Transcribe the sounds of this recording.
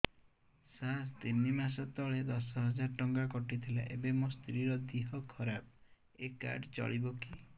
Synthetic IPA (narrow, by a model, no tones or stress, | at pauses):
sast̪inimas̬ɔt̪ɔɭed̪ɔsɔɦɔd͡ʒaɾʈɔŋɡakɔʈit̪ʰila̰ʔebemɔst̪ɾiɾɔd̪iɦɔkʰɔɾab̚ | eka̰ɾɖt͡ʃɔ̰ɭibɔki